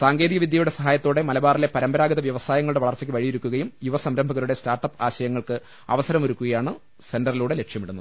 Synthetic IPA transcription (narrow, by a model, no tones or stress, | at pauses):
saːŋɡe̞ːd̪iɣɐʋid̪ʱjɐjuɽe̞sɐɦaːjɐt̪ːoːɽe̞mɐlɐbaːrile̞pɐɾɐmbɐɾaːɡɐðɐʋjɐʋɐsaːjɐŋːɐɭuɽe̞ʋɐɭɐrt͡ɕːɐk̬ʲːɨʋɐɻijiɾukʲːuɣɐjumjuʋɐsɐmɾɐmbʱɐɣɐɾuɽe̞staːrʈːɐpːaːɕɐjɐŋːɐɭkɨ | ɐ̰ʋɐsɐɾɐmoɾukːuɣɐjaːɳɨ | se̞ndɐriluːɽe̞le̞kʂjɐmiɽunːɐðɨ